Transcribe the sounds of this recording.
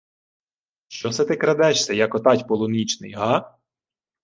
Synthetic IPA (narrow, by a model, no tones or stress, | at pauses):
ʃt͡ʃɔsɛt̪ɪkɾɐd̪ɛt͡ʃsʲɐjɐkɔt̪ɑtʲpɔlˠɔnʲit͡ʃnɪ̰jɦɑ